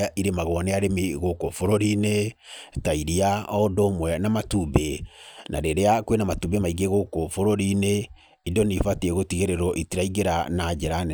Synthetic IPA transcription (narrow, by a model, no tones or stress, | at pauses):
aʔiɾemaɣɔneaɾemeɣokofoɾoɾinetaiɾiaɔdomwɛnamatubenʔa̰ɾeɾeakwenamatubemaiɣeɣokofoɾoɾine | idɔnifatieɣotiɣeɾeɾɔʔitiɾaiɣeɾanad͡ʒɛɾan